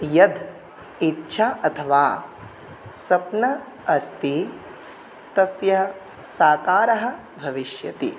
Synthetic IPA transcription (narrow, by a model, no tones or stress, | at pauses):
jɐd̪ʱ | itːʃʰaːʔɐt̪ʰɐʋaː | sɐpnɐ | ɐst̪i | t̪ɐsjɐɦɐ | saːkaːɾɐɦɐ̆ | bʱɐʋiʃjɐt̪ḭ